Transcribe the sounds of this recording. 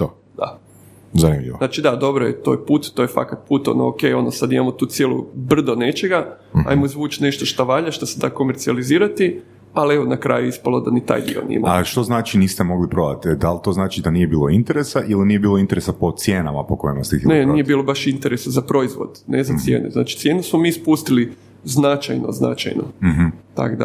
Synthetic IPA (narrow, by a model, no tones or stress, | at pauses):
t̪o | d̪̥a̰ | zanimʎḭʋonat͡ʃid̪ad̪o̞bɾoet̪o̞̰ːjpuːt̪ːojefa̰kat̪̚puːt̪o̞̰noo̰ke̞jo̞nosad̪imamot̪uːt̪sjelˠṵbr̩d̪one̞t͡ʃeɡa | a̰jmoizʋuːt͡ʃne̞ʃt̪oʃt̪aʋaʎaʃt̪ased̪akomeɾt̪sializiːɾat̪i | alieʋonakɾa̰ːjuispalod̪anit̪a̰ːjd̪ḭo̰nḭma̰aʃt̪o̞znaːt͡ʃiniːst̪emoɡlipɾod̪a̰t̪d̪alt̪oznaːt͡ʃid̪anijebiːlˠoint̪eɾesaʔilinijebiːlo̞int̪eɾesapot̪sjeːnamapokojimast̪iinenijebiːlˠobaʃint̪eɾesazapɾo̞izʋo̰d̪nezatsjḛːnṵzna̰ːt͡ʃi̥t̪je̞nusmomiːspust̪ili | znat͡ʃa̰jno̰zna̰t͡ʃa̰jno̰ɦ̩t̪a̰kd̪a̰